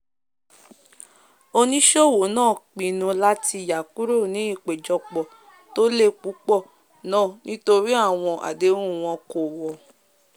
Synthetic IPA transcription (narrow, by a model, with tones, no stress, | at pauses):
o˧nĩ˦ʃo˦˨wo˨˦nãː˦˨k͡pĩ˨nũ˧la˦ti˧˨ja˨ku˦ɾo˦˨nĩ˨˦i˦˨k͡pe˨d͡ʒɔ˧k͡pɔ˨ | to˦le˦˨k͡pu˨˦k͡pɔ˦˨ | nãː˦˨nĩ˦to˧ɾi˦a˦˨w̃ɔ̃˧ʔa̰˨de˨˦ɾũ˦˨w̃ɔ̃˧ko˨wɔ˨